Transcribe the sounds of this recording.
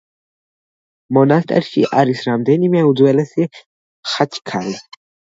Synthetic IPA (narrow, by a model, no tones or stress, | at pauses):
mɔnast̪ʼɛ̰ɾʃiʔaɾisɾamd̪ɛnimɛud̪zwɛlɛsi | χat͡ʃʰkʰali